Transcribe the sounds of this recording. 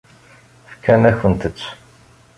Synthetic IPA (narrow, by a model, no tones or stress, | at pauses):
fkʰːænæçənt̪ət͡sː